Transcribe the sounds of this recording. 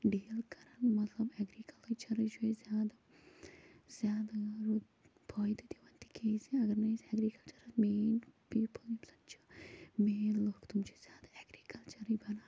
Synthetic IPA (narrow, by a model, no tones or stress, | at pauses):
ɖiːlkɐɾɐnmɐt̪lɐbɛɡɾikɐlt̪t͡ʃʰɐɾɨt͡ʃuezjaːd̪a | z̥jaːd̪aɾu | bʱɔːjd̪it̪iʋɐnt̪i̥kejsiɐɡɐɾnɐjsɛɡɾikɐlt͡ʃɐɾɐsmeːnpiːpɨld̪imsɐ̥nt͡ʃʰu̥meːnloːkt̪umt͡ʃuzʲjaːd̪aɛɡɾiːkɐlt͡ʃɐɾibʱɐnaː